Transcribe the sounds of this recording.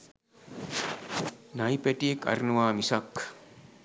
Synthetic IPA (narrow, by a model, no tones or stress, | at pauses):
najpeʈiekɐ̰ɾnuwaːmisɐk